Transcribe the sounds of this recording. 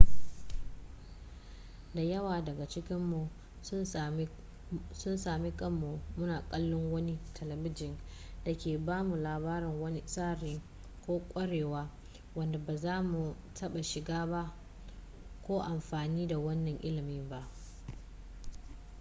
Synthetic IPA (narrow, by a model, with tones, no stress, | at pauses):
da˨jɐ˦waː˨dɐ˨ɡa˨t͡ʃɪ˦kʲɪ˦mːu˨˦ | sʊ˦nsaː˨mi˦kʼɐ˦mːu˨mʊ˦naː˨kʼɐ˦lːʊ˦ŋwɐ˦ni˦tʰɐ˨lɐ˨bɪ˦d͡ʒɪ˨nd̥a˨kʲeː˨baː˦mu˨laː˨baː˦ɾɪ˨ŋwɐ˦ni˦saː˦ɾɪ˦ŋ | kʷoː˦kʷʼɐ˦ɽeː˨waː˦ | wɐ˦nda˨baː˨zaː˦mu˨ | tʰɐ˦ɓa˨ʃɪ˨ɡaː˦ba˦ʔ | kʷoː˦ʔa˨mɸaː˨niː˦da˨wɐ˦nːɐ˨ŋʔɪ˦lɪ˨mɪ˦mba˦ʔ